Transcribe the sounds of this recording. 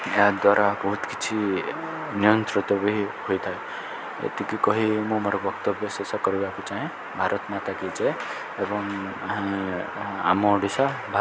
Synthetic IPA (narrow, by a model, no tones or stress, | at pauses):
ead̪waɾʔabɔɦut̪kit͡ʃʰi | nijɔnt̪ɾit̪ɔbiihojt̪ʰae | ḛt̪ikikɔɦimũmɔɾɔbɔkt̪ɔbjɔsesɔkɔɾibakut͡ʃaɦĩ | bʱaɾʔɔt̪mat̪akid͡ʒe | ebɔŋ | a̰mɔɖisabʱa